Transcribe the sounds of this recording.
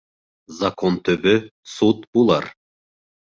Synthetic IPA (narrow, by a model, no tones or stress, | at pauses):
zakont̪ɵβɵsut̪bulˠɑ̰ɾ